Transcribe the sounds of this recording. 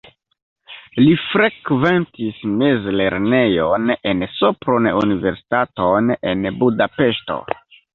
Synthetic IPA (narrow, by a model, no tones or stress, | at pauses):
lifɾe̞kve̞ntisme̞zle̞ɾne̞jone̞nsopɾonunive̞ɾsi̥tatone̞̰nbudape̞ʃto̰